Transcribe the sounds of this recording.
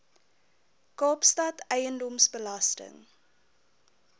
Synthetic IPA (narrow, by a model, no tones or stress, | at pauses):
kɑːpstɐtɛjəndɔmsbəlɐstə̰ŋ